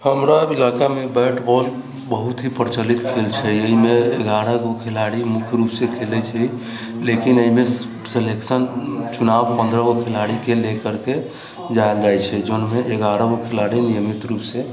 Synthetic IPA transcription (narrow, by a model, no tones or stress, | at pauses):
həmɾailakamebɛʈbɔl | bəɦut̪ɦipəɾt͡ʃəlit̪kʰelt͡ʃʰɛəimeeɡaɾəɡokʰelaɽimukʰjɾupsekʰelɛt͡ʃʰɛ | lekinəime | seleksənt͡ʃunawpə̃nd̪ɾəɡokʰelaɽikelekəɾke | d͡ʒajld͡ʒajt͡ʃʰɛd͡ʒonmeʔeɡaɾəɡokʰelaɽinijəmit̪ɾupse